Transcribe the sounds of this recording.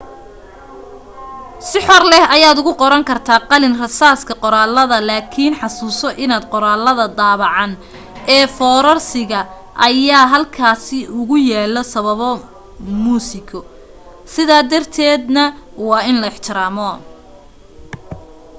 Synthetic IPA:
sɪħɔrlɛhɐjaːd̪ʊɣʊqɔɾɐŋkʰɐrt̪ʰaːqɑlɪnrɐsaːskʰɐqɔɾaːlːɐðɐlaːkʰiːnħɑsuːsɔʔɪnaːd̪qɔɾaːlːɐðɐd̪aːβɑʕɑn | ɛːfɔːɾɐrsɪɣɐ | ʔɐjaːɦɐlkʰaːsɪʔʊɣʊjɛːlɔsɐβɐβɔ | muːsɪkʰɔ | sɪðaːd̪ɐrt̪ʰɛːd̪nɐwɑːɪnlɐɪħt͡ʃ̪ʰɪɾaːmɔ

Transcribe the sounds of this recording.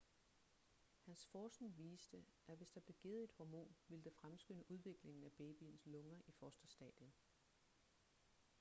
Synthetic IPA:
hænsfɒːsnʋiːsd̥əʔæʋe̝sd̥ɑ̈b̥le̝ɡ̥e̝ːð̞̩ˠe̝d̥hɒmo̝̰ːnʋe̝ləd̥efʁamsɡ̥ønəʔuð̞ˠʋe̝ɡ̥le̝ŋn̩æb̥eːb̥inslɔ̽ŋɐʔifɒsd̥ɐsd̥ɛ̰ːd̥jən

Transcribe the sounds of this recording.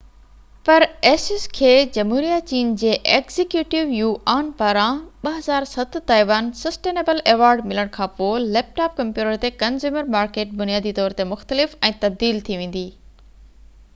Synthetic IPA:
pɐɾeːsɪskʰeːd͡ʑɐmɦuːɾijat͡ɕiːnd͡ʑeːʔeːkz̥ɪkjuːʈɪʋjuːʔaːnpaːɾãɓɐɦɐzaːɾsɐt̪t̪aːiʋaːnsɐsʈeːneːbəleːʋaːɾɖmɪləɽ̃kʰãːpoːleːp̚ʈaːp̚kɐ̃mpjuːʈəɾt̪ekɐnzjuːməɾmaːɾkeːʈ̚bʊnijaːd̪it̪ɔːɾt̪emʊxt̪əlɪfɛ̃ːt̪ɐb̚d̪iːlt̪ʰiʋẽːn̆d̪iː

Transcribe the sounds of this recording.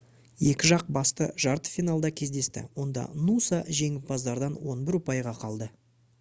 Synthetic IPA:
je̞kʲɪʒɑq̚bɑst̪əʒɑɾt̪ə̥fijnalˠd̪ɑkʲʰe̞zd̪e̞st̪ɪ̰wo̞nd̪ɑ̰nusɑʒe̞ŋɪp̚bɑzd̪ɑɾd̪ɑnwo̞nbɪɾʊpɑjʁɑqʰɑlˠd̪ə

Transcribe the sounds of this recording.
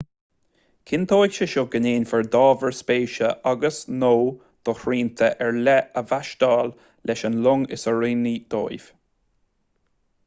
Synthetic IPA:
kʰɪnt̪ʰoːjkʃəʃoːɡəneːnʲfəɹd̪ɑːvəɹspeːʃəʔaɡəsnoː | d̪̥ɔhɹiːnt̪ʰəʔɛɹlɛəvaʃt̪ɑːl | lʔɛʃənlʊŋɪsəɹiːnid̪̥o̰ːjv̥

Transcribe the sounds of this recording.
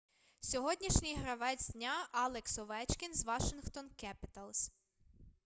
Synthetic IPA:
sʲɔɦɔdʲnʲiʃnʲɪjɦɾɐʋɛzʲd̪ʲnʲaɑlˠeksɔʋɛt͡ʃkʲɪnzʋɑʃɪnxt̪ɔnkɛpɪ̥t̪ɐlˠs

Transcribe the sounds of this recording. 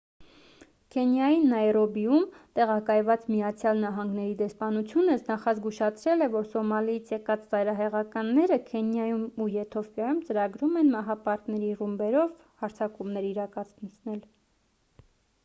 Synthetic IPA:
kʰɛnjɑjinːɑjɾɔbijumt̪ɛʁɑkɑjvɑt͡smijɑt͡sʰjɑlnɑɦɑŋɡnɛɾid̪ɛspɑnut͡sʰjunəsnɑχɑzɡuʃɑt͡sʰɾɛlɛvɔɾsɔmɑlijit͡sʰjɛkɑt͡szɑjɾɑɦɛʁɑkɑnːɛɾəkʰɛnjɑjumujɛt̪ʰɔfjɑjumt͡səɾɑɡɾumɛnmɑɦɑpɑɾk̪nɛɾirumbɛɾɔv | hɑɾt͡sʰɑkumnɛɾiɾɑkɑt͡sʰt͡sʰnɛl

